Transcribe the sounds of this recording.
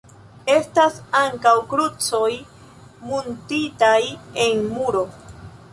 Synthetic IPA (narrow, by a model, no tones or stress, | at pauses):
e̞stasaŋkawkɾut͡so̞j | muntitaje̞nmuɾo̞